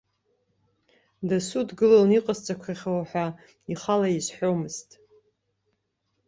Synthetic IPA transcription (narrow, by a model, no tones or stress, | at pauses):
dasudɡɨloniqʼazt͡sʼakʷʰaχʲawaħʷa | iχalaizħʷᶣomɨz̥tʼ